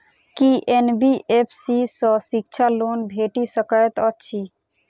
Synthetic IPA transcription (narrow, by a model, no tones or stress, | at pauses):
kiʔenbiʔepʰsisɔsik̚t͡ʃʰalonbʱeʈisəkəjt̪ət͡ʃʰi